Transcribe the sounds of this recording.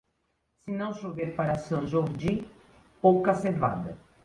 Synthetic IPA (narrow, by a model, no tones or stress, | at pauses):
sinɐ̃w̃ʃoveɾpaɾɐsɐ̃ʒoɾd͡ʒi | owkaseva̰d̪ɐ